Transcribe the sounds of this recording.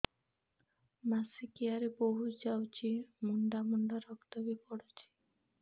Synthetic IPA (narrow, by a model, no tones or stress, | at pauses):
masikeaɾeboɦud͡ʑawt͡ɕʰimuɳɖamuɳɖaɾɔkt̪obepɔɽet͡ɕʰi̥